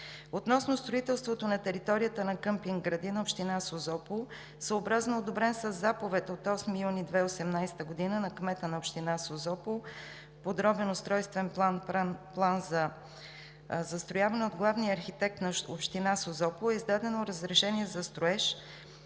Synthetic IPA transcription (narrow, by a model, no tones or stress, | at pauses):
ot̪nɔsnʊst̪ɾoit̪ɛlˠst̪vot̪onɐt̪ɛɾit̪ɔɾijət̪ənɐkɤmpiŋɡɡɾɐd̪inɐopʃt̪inasozɔpo | səobɾaznoːd̪obɾɛnsəzːapovɛt̪ot̪ɔsmijunid̪vɛosɛmnajsɛ̥t̪əɡod̪inənɐkmɛt̪ənɐopʃt̪inasozɔpo | pod̪ɾɔbɛnost̪ɾɔjst̪vɛnpˠannplˠanzɐ | zɐst̪ɾojavɐnɛod̪ɡlˠavniəːɾxit̪ɛk̚t̪nɐopʃt̪inasozɔpoɛizd̪ad̪ɛnoɾəzɾɛʃɛniɛzɐst̪ɾoɛʃ